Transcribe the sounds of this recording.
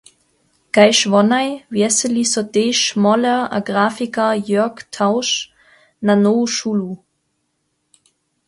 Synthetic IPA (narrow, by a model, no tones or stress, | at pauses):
ɡ̥aɪʃvɔnaɪvjɛsəlisɔdeːʃmɔləa̰ɡʁaːfikɐjœɐktʰaʊʃ | nanoːʃulu